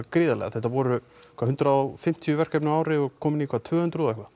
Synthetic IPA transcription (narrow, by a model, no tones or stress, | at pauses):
kɾɪːðalɛ̰ɣa̰θɛht̪avɔːɾʏ | kʰvaɦʏnt̪ɾafɪm̥t̪ʰijʏvɛr̥kɛpnʏaːwɾɪɔkʰɔːmɪnikʰvat̪ʰvœːhʏnt̪ɾuːðɛhkva